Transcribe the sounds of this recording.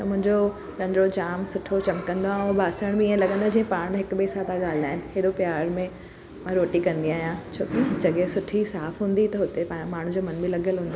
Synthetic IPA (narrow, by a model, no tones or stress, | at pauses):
t̪ɐmʊ̃ɦɪ̃ɲd͡ʑo | ɾɐ̃nd̪ɾod͡ʑaːmsʊʈʰot͡ɕɐmkɐ̃nd̪ãʊbʱaːsəɽ̃bɪiẽlɐɡə̃nd̪ad͡ʑĩːẽpaːɽ̃ɦɪkbesat̪aɠaːlɪd̪aːɦɪnɪ̆ɦeɗopjaːɾmẽ | mãɾoːʈikɐ̃nd̪iaːɦijãt͡ɕʰo̰ːkid͡ʑɐɠɛsʊʈʰisaːfɦũːn̆d̪it̪ɐɦʊt̪epãmaːɳ̤ũd͡ʑoːmɐnbɪlɐɠəlɦũːnd̪oː